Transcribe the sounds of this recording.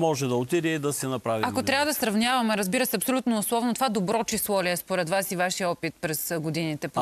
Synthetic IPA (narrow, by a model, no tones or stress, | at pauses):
mɔʒɛd̪ɐot̪id̪ɛid̪ɐsɛnɐpɾaviakot̪ɾʲavəd̪ɐsɾɐvnʲavɐmɛɾɐzbiɾɐsɛɐpsolʲut̪noːslˠɔvnot̪ovad̪obɾɔt͡ʃislˠɔlʲiɛspoɾɛt̪vasivaʃiəɔpit̪̚pɾɛsɡod̪init̪ɛ